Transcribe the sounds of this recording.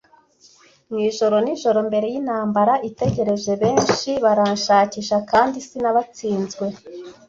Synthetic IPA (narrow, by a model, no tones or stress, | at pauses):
ŋiːʒo̞ɾo̞niʒo̞ɾo̞mbe̞ɾe̞jinhaːmbaɾaʔite̞ɟe̞ɾe̞ze̞βe̞ːnʃiβaɾanʃaːciːʃakaːndisinaβat͡siːnzɡwe̞